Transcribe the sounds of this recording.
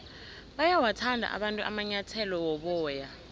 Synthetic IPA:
ɓajawatʰandʱa̰ʔa̰ɓantʼuʔamaɲatʰɛlɔwɔɓɔːja

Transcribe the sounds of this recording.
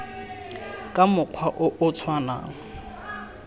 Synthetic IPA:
kʼamʊq͡χʰwaʔʊʔʊt͡sʰwana̰ːŋ̩

